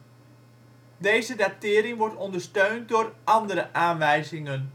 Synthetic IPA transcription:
dejzədatɪːɾɪŋʋɔɹtɔndəɹstøɥnt̚dʊːrʔɑndəɾəʔaːnʋɛjzɪŋən

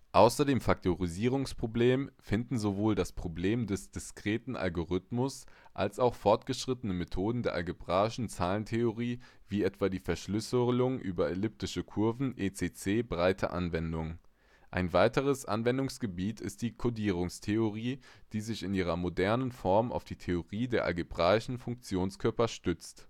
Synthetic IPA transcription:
ʔaʊsɐdeːmfak̚tʰoʁiziːʁ̞ʊŋspʁ̥obleːmfɪndn̩zovoːldaspʁ̥obleːmdɛsd̥ɪskʁ̥eːtn̩ʔa̰lɡoʁʏtmʊs | ʔa̰lsaʊxfɔɐtɡ̥əʃʁ̥ɪtənəmetʰoːdn̩deːɐʔa̰lɡebʁaːɪʃn̩t͡saːləntʰeoʁiː | viːɛtv̥aːdiːfɛɐʃlʏslʊŋʔyːbɐelʏp̚tɪʃəkʰʊɐvn̩ʔeːt͡seːt͡seːbʁaɪtʰə̰ʔa̰nvɛndʊŋ | ʔa̰ɪnvaɪtəʁ̞əsʔa̰nvɛndʊŋsɡ̥əbiːtʰɪst̚d̥iːkʰodiːʁ̞ʊŋstʰeoʁiːd̥iːzɪçɪniːʁɐmodɛɐnənfɔɐma̰ʊfd̥iːtʰeoʁiːdeːɐʔa̰lɡebʁaːɪʃn̩fʊŋk̚t͡sjoːnskʰœɐpɐʃtʏt͡st

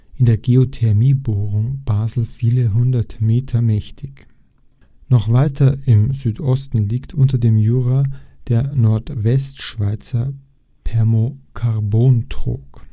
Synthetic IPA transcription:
ʔɪndeːɐɡeotʰɛɐmiːboːʁʊŋb̥aːzl̩fiːləɦʊndɐtmeːtʰɐmɛçtʰɪç | nɔχv̥aɪtʰɐɪmzyːtʔɔstn̩liːktʰʔʊntɐdeːmjyːʁad̥eːɐnɔɐtvɛstʃv̥aɪt͡sɐ | pʰɛɐmokʰaʁboːntʁ̥o̰ːk

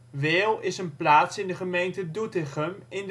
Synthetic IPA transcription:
ʋɪːlˠɪsənplaːtsɪndəχəmejntədutɪχəmɪn

